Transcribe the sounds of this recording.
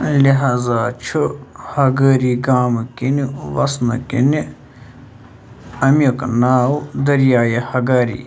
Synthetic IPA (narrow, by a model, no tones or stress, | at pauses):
liɦaːzaːt͡ʃʰuhɐɡəːɾiːɡaːmkinʋɐsnɐkḭni | ɐmjoknaːwd̪ɐɾjaːjehɐɡaːɾḭː